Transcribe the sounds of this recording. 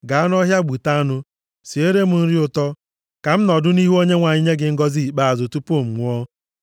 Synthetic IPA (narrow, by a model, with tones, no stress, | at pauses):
ɡa˨a˦n˦ɔ˦ɦja˦ɡ͡bu˨ta˦a˦nʊ˦ | si˨e˦ɾe˦m̩˦n̩˦ɾi˦ʊ˦˨tɔ˦ | ka˨m̩˦nɔ˨dʊ˦ni˦ɦu˦o˦ɲe˦ŋʷa˨ɲi˦ɲe˦ɡɪ˨ŋ̩˦ɡɔ˦zi˦˨k͡pa˦a˨zo˨tu˦po˦˨m̩˨ŋʷ˦ɔ˦